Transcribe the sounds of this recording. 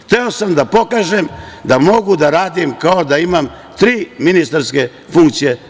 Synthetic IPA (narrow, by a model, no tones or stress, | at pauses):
t̪eo̞samd̪apo̞kaːʒemd̪amo̞ɡud̪aɾaːd̪imkaod̪aimam | t̪ɾiːminist̪aɾske̞ | fuŋkt̪sije